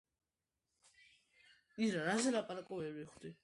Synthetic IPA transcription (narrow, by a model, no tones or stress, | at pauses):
isɾaɾazɛlapʼaɾakʼɔvɛɾbiχd̪̥i